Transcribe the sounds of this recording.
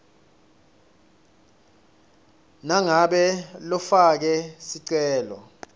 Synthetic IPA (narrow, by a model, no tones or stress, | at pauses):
naŋaɓɛlɔfak̬ɛsiǀɛːlɔ̰